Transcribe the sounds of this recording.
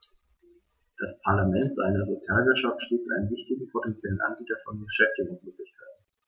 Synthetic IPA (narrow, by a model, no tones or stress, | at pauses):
d̥aspʰaɐlamɛntz̥aɪnɐzot͡sjaːlvɪɐtʃaftʃteːsʔaɪnənvɪçtɪɡŋ̩pʰotɛnt͡sjɛlənʔa̰nbiːtɐfɔnɡəʃɛftɪŋənsmøːklɪçkʰaɪt̚n̩